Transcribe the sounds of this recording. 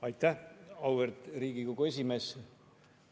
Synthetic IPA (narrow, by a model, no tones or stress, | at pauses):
ɑjt̪ːæhɑwvert̪riːɡikokue̞s̬ʲime̞ːs